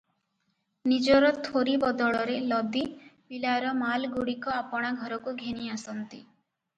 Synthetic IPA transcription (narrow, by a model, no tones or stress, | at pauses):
nid͡ʒɔɾɔt̪ʰoɾibɔd̪ɔɭɔɾelɔd̪ipilaɾɔmalɡuɽikɔapɔɽ̃aɡʱɔɾɔkuɡʱeñiasɔnt̪i